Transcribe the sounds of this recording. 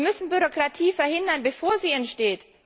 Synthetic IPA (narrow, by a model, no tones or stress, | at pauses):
mʏsn̩byʁ̞okʁ̥atʰiːfɛɐhɪndɐnbəfoːɐziːɛntʃteːt